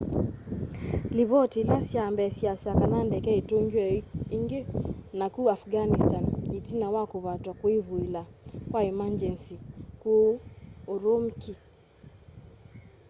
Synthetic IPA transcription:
liβɔtilasjambɛsjasakanandɛkɛetoŋɡjɛiŋɡenakuafɡanistanitinawakoβatwakwiβuilakwaɛmand͡ʒɛnsikooɾomki

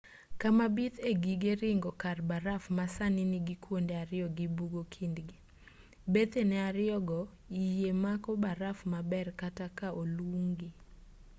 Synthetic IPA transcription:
kamabit̪eɡiɡeɾɪŋɡɔkarbaɾafmasanɪnɪɡikwondeaɾɪɔɡibuɡokʰindɡi | bet̪enɛaɾɪɔɡɔ | ijemakɔbaɾafmabɛrkatakaʔoluŋɡi

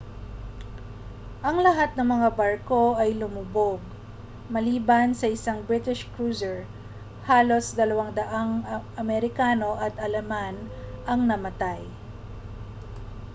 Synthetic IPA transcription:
ʔɐŋlɐɦat̪̚nɐŋmɐŋabɐɹko̞ʔɐjlʊmʊboɡ̚ | mɐliːbansɐʔɪsaŋbɹɪt̪ɪʃkɹuːzɛɹ | haːlo̞sd̪ɐlɐwaŋd̪ɐʔaŋʔɐmɛɾɪkaːno̞ʔɐt̪ʔɐlɐmanʔɐŋnɐmɐt̪aj

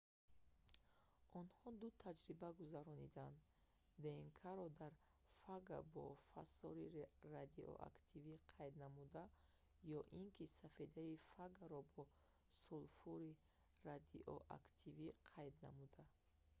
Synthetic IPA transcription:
ɔnhɔd̪ut̪ʰad͡ʒɾibaɡuzaɾɔnid̪and̪ | d̪eŋkʰaɾɔd̪aɾ | faɡabɔ̰fa̰sɔɾirad̪iʔɔ̰ʔa̰kt̪ʰiviqʰajd̪namud̪a | jɔʔiŋkʰisafed̪aifaɡaɾɔbɔ | sulfuɾi | ɾad̪iʔɔʔa̰kt̪ʰiviqʰajd̪na̰mud̪a

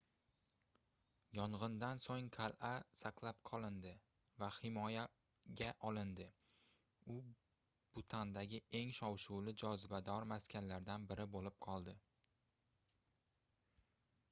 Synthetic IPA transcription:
jɒɴʁɨnd̪ansoŋqʰalˠʔasaqʰlˠap̚qʰɒlˠɪnd̪ɪ | vahɪmɒja | ɡʲaʔɒlˠɪnd̪ɪ | ʊ | b̥ʊt̪ʰand̪aɡʲɪe̞ŋʃɒwʃʊwlɪd͡ʒɒzɪbad̪ɒɾmaskʲʰanlaɾd̪anbɪɾɪbolɪp̚qʰɒlˠd̪ɪ

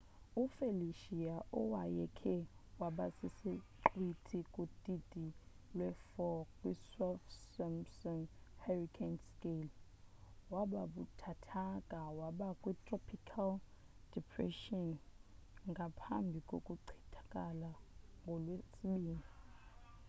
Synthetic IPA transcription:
ufeliʃiaʔɔwajɛkʰɛwaɓasisiǃwitʰikʼutʼidʱʼi | lwɛfɔkʼwisalfsamsɔnharikʰɛnskʼel | waɓaɓutʰatʰakʼawaɓakʼwitʼrɔpʰikʰal | d̥ipʰrɛ̰ʃɔn | ŋɡʱapʰa̰mbʱikʼokʼuǀʰi̥tʰḁkʼalaŋɡʱɔlwesiɓiːni

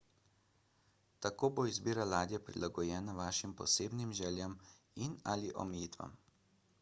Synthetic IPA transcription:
t̪akoːboizbiːɾalaːd̪jɛpɾḭlʔaɡɔjɛːnaʋaːʃimpɔ̰seːbnimʒɛːljam | inaliʔɔ̰mɛjiːt̪ʋa̰m

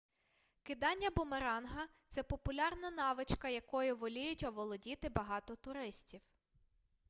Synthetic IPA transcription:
kɪd̪ɑnʲːɐbʊmeɾɑnɦɐt̪sɛpɔpʊlʲɑrnɐnɑʋɪt͡ʃkɐjɐkɔjʊʋɔlʲijʊtʲɐʋɔlˠɔdʲit̪ɪbɐɦɑt̪ɔt̪ʊɾɪsʲtʲiw

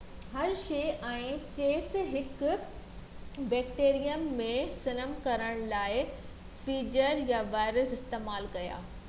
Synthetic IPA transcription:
hɐɾʃeːʔɛ̃ːt͡ɕeːsɦɪk | bɛːk̚ʈeːɾijəmːẽsɪnəmkɐɾəɽ̃laːɪ | fiːd͡ʑəɾjaʋaːɪɾəsɪst̪eːmaːlkɐja̰ː

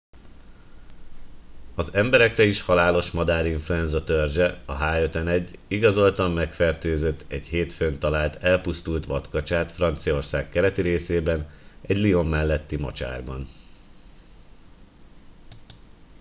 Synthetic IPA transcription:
ɒzɛmbɛɾɛkrɛiʃhɒlaːlo̞ʃmɒd̪aːɾiɱfluɛnzɒt̪ørʒɛɒɦaːøt̪ɛnɛɟːiɡɒzo̞lt̪ɒmːɛkfɛrt̪øːzøt̪ːɛɟheːt̪fønt̪ɒlaːlt̪ɛlpust̪ult̪ʋɒt̪kɒt͡ʃaːt̪frɒnt̪sijɒo̞rsaːkkːɛɾɛt̪iɾeːseːbɛnɛɟlio̞mːɛlːɛt̪ːimɒ̰t͡ʃa̰ːrbɒ̰n

